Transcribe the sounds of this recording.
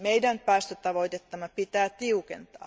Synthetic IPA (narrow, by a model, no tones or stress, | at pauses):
meidænpæːst̪øt̪ɑʋoit̪et̪ːɑmɑpit̪æːt̪iukḛnt̪ɑ̰ː